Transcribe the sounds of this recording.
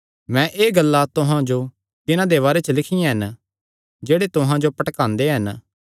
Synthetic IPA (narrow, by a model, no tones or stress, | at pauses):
mɛ̃ʔeːɡəlːat̪ʊɦãd͡ʒo | t̪ɪnãd̪eβaːɾet͡ʃəlɪkʰɪjãɦɐn | d͡ʒeːɽet̪ʊɦãd͡ʒopɐʈkãːnd̪eɦɐn